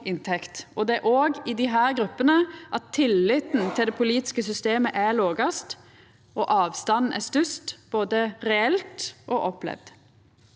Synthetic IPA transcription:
ɪnt̪ʰɛkt̪ɔd̪ɛæʔoːɡɪd̪ɪɦæːɾɡɾʉpːənəʔɑt̪ʰːɪlːɪt̪n̩t̪ʰɪld̪ɛpʰʊliːt̪ɪ̥skəs̬ʏst̪eːməʔæloːɡɑst̪ | ʔoʔɑːʋst̪ɑnn̩ʔæ̰st̪ʉst̪b̥oːd̪əɾɛɛlt̪ʔoːʔɔplɛ̰ʋd̪

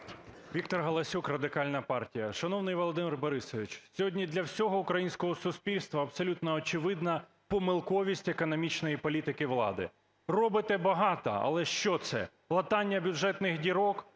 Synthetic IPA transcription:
ʋʲikt̪ɔrɦɐlˠɐsʲukrɐd̪ɪkɑlʲnɐpɑrtʲijɐʃɐnɔwnɪjʋolˠɔd̪ɪmʲirbɔɾɪsɔʋʲit͡ʃsʲɔɦɔdʲnʲid̪lʲɐwsʲɔɦɔʊkɾɐjinʲsʲkɔɦɔsʊspʲilʲst̪ʋɐːpsɔlʲut̪nɔːt͡ʃɪʋɪd̪nɐ | pɔmɪlˠkɔʋʲisʲtʲekɔnɔmʲit͡ʃnɔjipɔlʲit̪ɪkɪʋlˠɑ̰d̪ɪ̰ | rɔbɪt̪ɛbɐɦɑt̪ɐ̰ɐ̰lˠɛʃt͡ʃɔt̪sɛ̰ | lˠɐt̪ɑnʲːɐbʲjʊʒɛt̪nɪxdʲiɾɔk

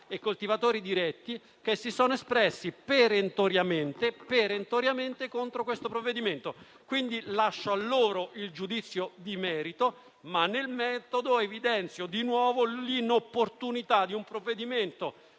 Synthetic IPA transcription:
ekːolt̪ivat̪oːɾid̪iɾɛt̪ːi | kesːisɔːnoespɾɛsːipeɾent̪oɾjament̪epeɾent̪oɾjament̪ekont̪ɾokwest̪opɾovːed̪iment̪o | kwind̪ilaʃːoalːoːɾoʔild͡ʒud̪it̪sːjod̪imɛːɾit̪o | manːelmɛt̪od̪oevid̪ɛnt̪sjod̪inwɔːvolinopːort̪unit̪ad̪iumpɾovːed̪iment̪o

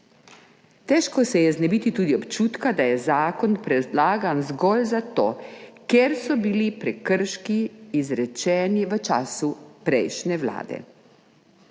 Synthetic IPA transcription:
t̪ɛʃkɔsɛjɛznɛbit̪it̪uːd̪iɔpt͡ʃuːt̪kad̪ajɛzaːkɔnpɾɛd̪laːɡanzɡɔlzat̪oːkjeɾsɔbilipɾɛkəɾʃkiːzɾɛt͡ʃɛːniʋət͡ʃaːsupɾɛjʃnɛʋla̰ːd̪ɛ̰

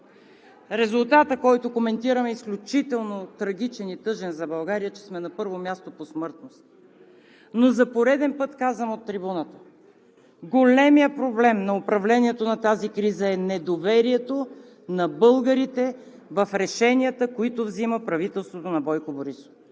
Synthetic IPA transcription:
ɾɛzʊlˠt̪at̪əkɔjt̪okomɛnt̪iɾəmɛisklʲut͡ʃit̪ɛlˠnot̪ɾɐɡ̟it͡ʃɛnit̪ɤʒɛnzɐbɐlˠɡaɾijət͡ʃɛ̥smɛnɐpɤɾvomʲjast̪oposmɤɾt̪nost̪ | nozɐpoɾɛd̪ɛnpɤt̪kazvəmot̪ːɾibunət̪ə̥ | ɡolɛmijəpɾoblɛmnɐopɾɐvlɛniɛt̪onɐt̪azikɾizəɛnɛd̪ovɛɾiɛt̪o | nɐbɤlˠɡəɾit̪ɛ | vɐfɾɛʃɛniət̪əkoit̪ʊvziməpɾɐvit̪ɛlˠst̪vot̪onɐbɔjkoboɾiso̥f

